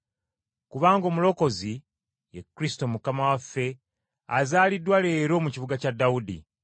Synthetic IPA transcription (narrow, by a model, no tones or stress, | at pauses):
kuβaːŋɡo̞ːmulo̞ko̞zi | jekːɾisto̞mukamawafːe̞ | a̰zaːlidwale̞ɾo̞ːmuciβuɡacadːawudḭ